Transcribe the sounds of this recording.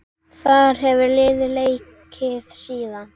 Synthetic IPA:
θaðɾɦɛvʏlɪːðɪlejcʰɪð̥siːðan

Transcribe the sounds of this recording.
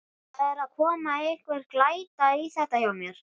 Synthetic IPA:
θɛðɛɾaðkʰɔːmaejhkvɛɾ̥klaːjt̪aiθɛht̪ajawmjɛɾ̥

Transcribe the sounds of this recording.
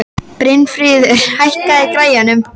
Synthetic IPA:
pɾɪnfɾiːðʏɾ̥hajhkaðɪkɾaːjanʏm

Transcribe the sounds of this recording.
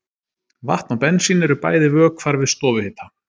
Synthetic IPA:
va̰ht̪nawpɛnːsiːnʏɾʏɾpa̰ːjðɪvœːkʰv̥aɾvɪðst̪ɔːvɪhɪːt̪a

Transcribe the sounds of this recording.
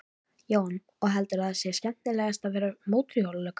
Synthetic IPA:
joːwn | ɔɣɦɛlt̪ʏɾaðsjɛscɛn̥t̪nɪlɛːɣast̪aðvɛːɾʏmoːwt̪ɾiowllœːkḁ

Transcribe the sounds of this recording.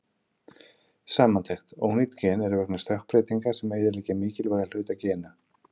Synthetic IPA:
saːmant̪ʰejxt̪o̰ːwnit̪cʰɛːnɛɾvɛknʏ̥st̪œhk̚pɾeːjt̪iŋkḁsɛmejðɪliːcɪmiːcɪlvaːjɣal̥ʏːt̪acɛːna

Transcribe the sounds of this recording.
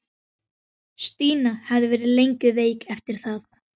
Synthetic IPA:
st̪iːnahɛvðɪvɛːɾɪðlejŋkɪðveːjkɛft̪ɪɾ̥θaθ

